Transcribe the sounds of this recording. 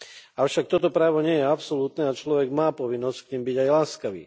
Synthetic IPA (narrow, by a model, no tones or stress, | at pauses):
aʊʃak̚t̪ɔt̪ɔpɾaːʋɔɲɪɛjɛapsɔlut̪nɛat͡ʃlɔʋɛɡmaːpɔʋinːɔskɲimbiɟajlaːskaʋḭː